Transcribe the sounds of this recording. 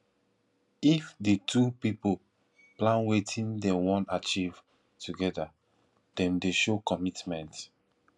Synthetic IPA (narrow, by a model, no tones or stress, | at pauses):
ifditʰupipo | plãnwetʰĩndɛwɔ̃nat͡ʃiv̥ | tuɡɛda | d̥ɛ̃mdeʃokɔmitmɛ̃nt